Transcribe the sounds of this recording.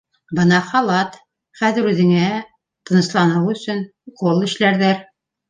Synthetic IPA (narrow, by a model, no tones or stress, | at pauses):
bɤnɑχɑlˠɑt̪ | χæðɘ̆ɾʉðɘ̆ŋæ | t̪ɤ̆nɤ̆slˠɑnɤwɵ̆sɵn | qolˠɘ̆ɕlæɾðæɾ